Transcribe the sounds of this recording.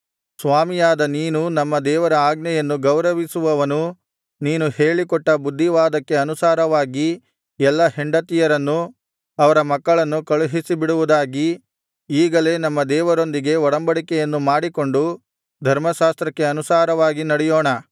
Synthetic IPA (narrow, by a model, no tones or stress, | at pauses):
sʋaːmijaːd̪ɐniːnunɐmːɐd̪ɛːʋɐɾɐaːɡnɐjɐnːuɡɐwɾɐʋisuʋɐʋɐnu | niːnuhe̞ːɭikɔʈːɐbud̪ʱːiʋaːd̪ɐkːe̞ɐnusaːɾɐʋaːɡi | ɛlːɐɦiɳɖɐt̪ijɐɾɐnːu | ɐʋɐɾɐmɐkːɐɭɐnːukɐɭuɦisibiɽuʋud̪aːɡi | iːɡɐle̞ːnɐmːɐd̪ɛːʋɐɾo̞nd̪iɡe̞ɔɽɐmbɐɽikɛjɐnːumaːɽiko̞ɳɖu | d̪ʱɐɾmɐʃaːst̪ɾɐkːe̞ɐnusaːɾɐʋaːɡinɐɽɛjoːɳɐ